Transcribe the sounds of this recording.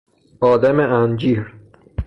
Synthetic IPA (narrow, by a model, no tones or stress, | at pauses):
ɒːd̪æmeænd͡ʒiːɾ